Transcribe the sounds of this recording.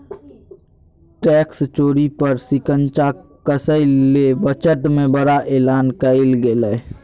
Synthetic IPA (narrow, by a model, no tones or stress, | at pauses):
ʈɛːkst͡ʃoːɾipəɾsɪkənt͡ʃakəsəɪlebət͡ʃət̪mẽbəɽaʔeːlaːnkəɪlɡeləː